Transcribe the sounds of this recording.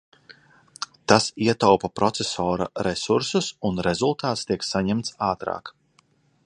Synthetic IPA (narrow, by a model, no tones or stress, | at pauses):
t̪asiɛt̪awpapɾɔt̪sɛsɔːɾa̰ɾɛsuɾsusunɾezulˠt̪aːt̪st̪iɛksaɲɛmt̪saːt̪ɾa̰ːk